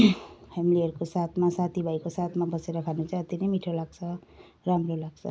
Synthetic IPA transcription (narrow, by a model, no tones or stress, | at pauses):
pʰemiliʌɾukosat̪ʰmasat̪ʰibʱajkosat̪ʰmabʌseɾʌkʰanut͡sʰʌʌt̪inʌjmiʈʰolaɡt͡sʰʌ | ramɾolaɡsʰʌ̰